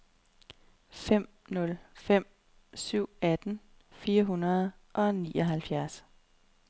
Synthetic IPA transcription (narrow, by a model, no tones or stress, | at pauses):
fem̰ | nɔ̽lfem̰ | syʊ̰æd̥n̩ | fiːɐɦunɐð̞̩ˠʔɒ̽nḭːʔɒɦælfjæɐs